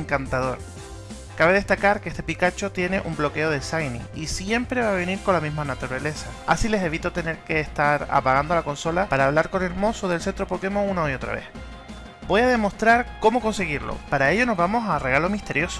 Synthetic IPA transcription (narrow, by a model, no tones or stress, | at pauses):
ŋkant̪aðo̞ɾ | kaβe̞ð̞e̞ht̪akaɾkest̪epikat͡ʃo̞t̪je̞ne̞ʔṵmblo̞ke̞o̞ðe̞sajnḭisje̞mpɾe̞βaβ̞e̞niɾko̞lamizmanat̪uɾale̞saa̰sile̞se̞βit̪o̞t̪e̞ne̞ɾke̞ːst̪aɾa̰paɣand̪olako̞nso̞lapaɾaːβ̞laɾko̞ne̞lmo̞soðe̞lsent̪ɾo̞po̞ke̞mo̞unaoio̞t̪ɾa̰βe̞̰h | bo̞jaðe̞mo̞st̪ɾaɾko̞mo̞ko̞nse̞ɣ̞iɾlo̰paɾae̞ʎo̞no̞zβamo̞sare̞ɣ̞alo̞miht̪e̞ɾjo̞so